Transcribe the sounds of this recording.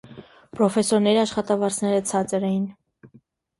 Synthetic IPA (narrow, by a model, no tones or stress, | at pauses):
pɾɔfɛsɔɾnɛɾiɑʃχɑt̪ɑvɑɾt͡sʰnɛɾət͡sʰɑt͡səɾɛjin